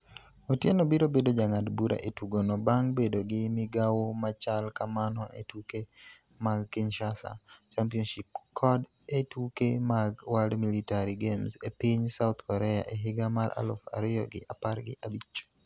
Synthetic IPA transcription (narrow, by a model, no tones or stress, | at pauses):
otjenobiɾobedod͡ʒaŋadbuɾa̰ʔetuɡonɔbaŋbedoɡɪmɪɡawomat͡ʃalkamanɔʔetuke | maɡːɪɲʃasa̰ | t͡ʃampiɔnʃipkʰːɔd | etukemaɡwaldmilitaɾiɡemsepiɲsawt̪kɔɾɛa̰ʔeɦɪɡamaɾʔa̰lo̰fa̰ɾɪjɔ̰ɡɪ̰ʔaparɡɪ̰ʔabit͡ʃːo̥